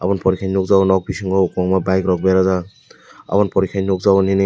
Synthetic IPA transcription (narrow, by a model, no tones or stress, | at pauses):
apɔnpɔɾikʰajnukzawnɔk̚bisiŋɡɔkɔŋmabajkɾɔk̚bajɾaza | a̰pɔnpɔɾikʰajnuk̚zawninɯ